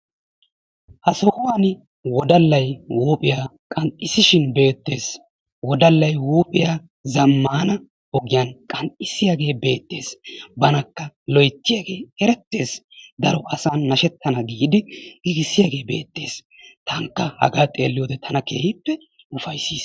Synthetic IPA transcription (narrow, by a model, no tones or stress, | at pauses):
hɐsɔhʊwaːn | wɔd̪ɐlːɐjwuːpʼɪjaːkʼɐnt̪ʼːɪsɪʃɪnbe̞ːt̪ːe̞ːs | wɔd̪ɐlːɐjwuːpʼɪjaː | zɐmːaːnɐ | ɔɡɪjaːnkʼɐnt̪ʼɪsːɪjaɡe̞ːbe̞ːt̪ːe̞ːsbɐnɐkːɐlɔjt̪ːɪjaɡe̞ːɛɾɛt̪ːe̞ːsd̪ɐɾɔʔɐsaːnːɐʃɛt̪ʰːɐnɐɡiːd̪ɪɡɪɡɪsːɪjaːɡe̞ːbe̞̰ːt̪ːe̞̰ːs | t̪ɐŋkːɐhɐ̰ɡaːt̪ʼe̞̰ːlːɪjoːd̪ɛt̪ʰɐnɐke̞̰ːhɪpːɛ | ʊfɐjsiːs